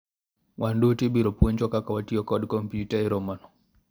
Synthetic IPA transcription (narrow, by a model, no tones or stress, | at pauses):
wʔandutibiɾɔpwɔɲt͡ʃɔkakawatiɔkɔdkɔmpjutaiɾɔmanɔ